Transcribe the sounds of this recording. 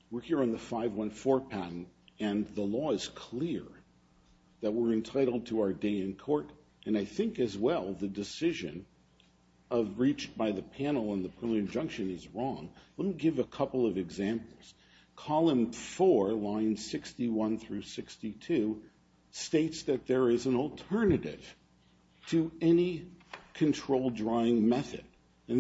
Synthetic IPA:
wə˞hiɹɨ̃nðəfaɪvwʌ̃nfɔɹpʰæn̩ɨ̃nðəlɔɨz̥kʰl̥ɪɹ | ðɨt̚wɪɹɨ̃ntʰaɪɾl̩ˠd̚tʰəaʊə˞deɪɨ̃nkʰɔɹɾ | ɨ̃naɪθɪ̃ŋkɨzwɛlˠðɨdɨsɪʒɨ̰̃n | ʔʌvɹit͡ʃb̥aɪðɨpʰæ̃nl̩ˠə̃nðəpʰɪ̃mɨ̃nd͡ʒʌ̃ŋkʃɨ̃nɨzɹɔ̃ŋlɛt̚miɡɪvɨkʰʌpl̩ˠʌvɨɡzæ̃mpl̩ˠz̥ | kʰɑlˠə̃ɱfɔɹlãɪ̃nsɪkstiwʌ̃nθɹʉsɪkstitʰʉ | steɪtsðɨt̪̚ðə˞ɪzɨ̃n̩l̩ˠtʰɜ˞nɨɾɪ̰v̥ | tʰɨɛnikʰɨ̃ntʰɹ̥oʊlˠdɹaɪɪ̃ŋmɛθɨ̰ɾ | ɨ̃n

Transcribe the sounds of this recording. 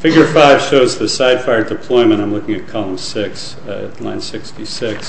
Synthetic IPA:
fɪɡjə˞faɪv̥ʃoʊzðɨsaɪd̥faɪə˞dɨpʰl̥ɔɪmɨ̃ɾ̃ãɪ̃mlʊkɪ̃ŋɨt̚kʰɑlˠə̃msɪks | lã̰ɪ̃nsɪkstisɪks

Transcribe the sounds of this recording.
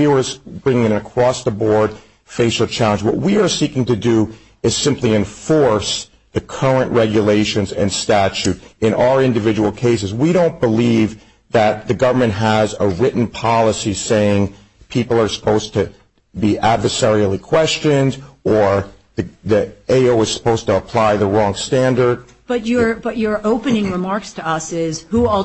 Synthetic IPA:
iwə˞bɹɪ̃ŋɪ̃ŋɨ̃nɨ̃nɨkʰɹ̥ɔsðəbɔɹd̥̚ | feɪʃl̩ˠt͡ʃʰælˠə̃nd͡ʒwʌ̰ʔ̚wiə˞sikɪ̃ŋtɨdɨ | ɨz̥sɪ̃mpliɨ̃ɱfɔɹs | ðɨkʰɜ˞ɨ̃nʔɹɛɡjɨleɪʃɨ̃nzɨ̰̃nstæt͡ʃʉɾɨ̃ñaə˞ɪ̃ndɨvɪd͡ʒəwl̩ˠkʰeɪs̬ɨzwiɾõʊ̃nb̥əliv | ðɨt̪̚ðɨɡʌvə˞mɨ̃ntɦəzəɹɪʔn̩pʰɑlˠəsiseɪɪ̃ŋ | pʰipl̩ˠə˞sə̥pʰoʊz̥tʰɨ | biʔædvə˞sɛɹil̩ˠikʰw̥ɛst͡ʃɨ̃ndə˞ | ðɨðieɪoʊɨz̥sə̥pʰoʊz̥tʰəəpʰl̥aɪðəɹɔ̃ŋstæ̃ndə˞d̥̚ | b̥ʌt͡ʃə˞b̥ʌt͡ʃə˞oʊpɨnɪ̃ŋɹɨmɑɹkstʰɨʌsɪz̥hu

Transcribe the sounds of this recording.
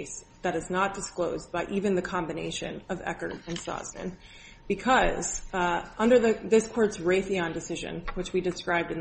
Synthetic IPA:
ɪsðɨɾɨznət̚d̥ɨskloʊzbaɪʔivɨ̃nðɨkʰɑ̃mbɨnḛɪʃɨ̰̃nʌvɛ̰kə̰˞ɨ̃nsɑ̰znɨ̰̃n | b̥ɨkʰʌz̥ʔʌ̃ndə˞ðɨðɪskʰɔɹtsɹeɪθiə̃ndɨsɪʒɨ̰̃nwɨt͡ʃwidɨskɹaɪb̚dɨ̃n

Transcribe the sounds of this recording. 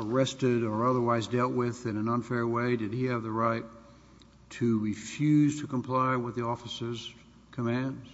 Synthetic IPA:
ə˞ɛstɪɾə˞ʌðə˞waɪzdɛlˠʔ̚wɪðɨ̃nɨ̃nə̃nfɛɹweɪdɨd̚iɨvðɨɹaɪtʰ | ɨɹifjʉz̥tʰɨkə̃m̩pʰl̥aɪwəðiɔfəsə˞z̥ | kʰɨmæ̃ndz̥

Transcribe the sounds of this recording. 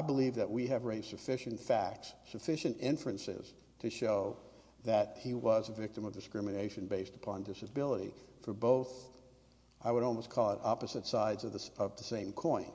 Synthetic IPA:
aɪbəlivðɨʔ̚wiɨvɹeɪz̥sɨfɪʃɨ̃n̩tfæk̚tsːɨfɪʃɨ̃ntɪ̃ɱfɹɨ̃nsɪ̰z̥ | tʰɨʃoʊ | ðɨt̚hiwʌzɨvɪk̚tɨ̃mʌvdɨskɹɪmɨneɪʃɨ̃nbeɪstə̥pʰɑ̃ndɪsɨbɪlˠəɾḭfə˞boʊθ | ʔaɪwəɾɔlˠmoʊskʰɔlˠəɾɑpɨzɨtsaɪdzʌðɨʌvðəsẽɪ̃mkʰɔ̃ɪ̃n

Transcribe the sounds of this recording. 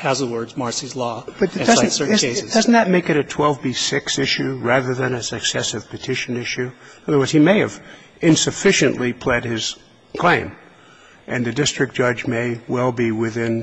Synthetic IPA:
hæzəwɜ˞dzmɑɹsizlɔb̥ʌtd̥ʌ̃əd̥ʌzn̩ðɨt̚meɪkɨɾɨtʰw̥ɛlˠvbisɪksɪʃʉɹæðə˞ðɨ̃nɨsɨksɛsɨv̥pʰɨtʰɪʃɨ̃nɪʃʉʌðə˞wɜ˞z̥imeɪɨv | ɪ̃nsɨfɪʃɨ̃nʔlipʰl̥ɛd̚ɪz̥ | kʰl̥ẽɪ̃m | ʔɨ̃nðɨdɪstɹ̥ɨk̚d̥ʒ̥ʌd͡ʒmeɪwɛlˠbiwɪθɪ̃n

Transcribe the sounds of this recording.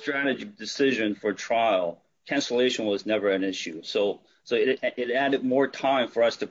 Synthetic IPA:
tɹ̥æɾɨd͡ʒɨdɨsɪʒɨ̃nfə˞tʰɹ̥aɪl̩ˠ | kʰæ̃nsəleɪʃɨ̃nwʌznɛvə˞ɨ̃nɪʃʉsoʊ | soʊɪɾɪɾæɾɨd̚mɔɹtʰãɪ̃ɱfə˞ʌstʰɨ

